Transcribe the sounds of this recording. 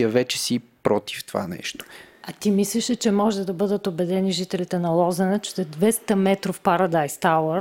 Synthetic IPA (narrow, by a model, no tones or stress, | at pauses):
əvɛt͡ʃɛ̥sipɾɔt̪i̥ft̪ova̰nɛ̰ʃt̪o̥ɐt̪imislɛʃɛt͡ʃɛmɔʒɛd̪ɐbɤd̪ət̪obɛd̪ɛniʒit̪ɛlit̪ɛnɐlˠɔzɛnɛt͡ʃɛ̥t̪ɛd̪vɛst̪əmɛt̪ɾofpaɾɐd̪ajst̪awəɾ